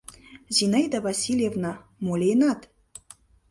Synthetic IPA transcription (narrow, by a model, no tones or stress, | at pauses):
zʲinajd̪avasʲilʲjevna | molʲejnat̪